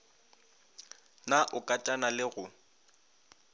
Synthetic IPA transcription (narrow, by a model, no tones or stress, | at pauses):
naʔʊkʼatʼanalɪɣʊ